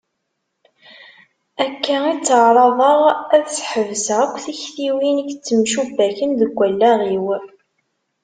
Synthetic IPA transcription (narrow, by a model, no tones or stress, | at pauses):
ækːæit͡sːəʕɾˤɑðˤəʁæðsħəvzəʁækʷːθiçθiwiniçt͡sːəmʃubːæçənðəɡʷːælːæʁiw